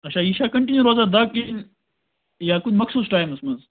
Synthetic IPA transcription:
ɐʃʰaːiʃakɐɳʈĩnjuɾoːzad̪akin | jaːkunmɐksuːsʈaːjmɐsmɐz

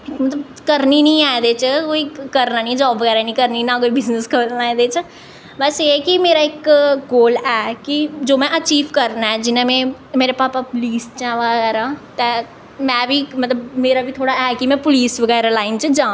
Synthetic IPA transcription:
mət̪ləb | kəɾninəĩaːẽd̪eːt͡ʃkoːikəɾnaːnĩd͡ʒɔːbʋəɣɛːɾanĩkəɾninãkoːibɪznəskʰəɾnaːẽd̪eːt͡ʃ | bəsekimeːɾaɪkɡoːlɛːkid͡ʒoːmɛ̃ʔət͡ʃiːʋkəɾnaɛd͡ʒɪnãmɛ̃ː | meːɾepaːpapʊliːst͡ʃɛ̃ʋəɡɡɛːɾat̪ɛ | mɛ̃ːbʱimɐt̪ləbmeːɾabʱit̪ʰoːɽaɛːkimɛ̃ːpʊliːsʋəɡɛːɾalaːɪnt͡ʃd͡ʒãː

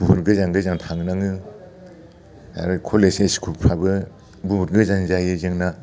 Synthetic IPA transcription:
buhuɾɡɯzaŋɡɯzaŋtʰaŋnaŋɯ | a̰ɾɯkʰɔleseskʰuppʰabɯ | buhuɾɡɯzanzajɯzeŋna

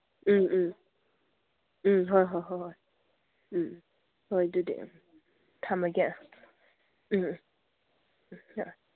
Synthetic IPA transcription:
ɦɔjɦɔjɦɔjɦɔj̩ | hɔjdudḭ | tʰamaɡɛn | hɔj

